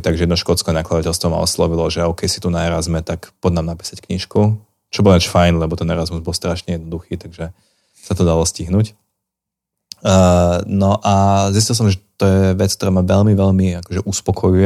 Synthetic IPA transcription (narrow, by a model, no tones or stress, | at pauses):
t̪aɡʒɛjɛd̪nɔʃkɔt͡skɛnaklad̪acɛlst̪ʋɔma̰ɔ̰slɔʋilɔʒɛɔkɛjsi̥t̪unaɛɾazmɛt̪akpɔd̪namnapi̥ːsackɲiʃku | t͡ʃɔbɔlat͡ʃfajnlɛbɔt̪ɛnɛɾazmuzbɔlst̪ɾaʃɲɛjɛd̪nɔd̪uxiːt̪aɡʒɛ | sat̪ɔd̪alɔsciɦnuc | nɔʔazis̬cilˠs̬ɔmʒɛt̪ɔjɛʋɛt͡skt̪ɔɾaːmaʋɛʎmiʋɛʎmiakɔʒɛʔuspɔkʰɔjujɛ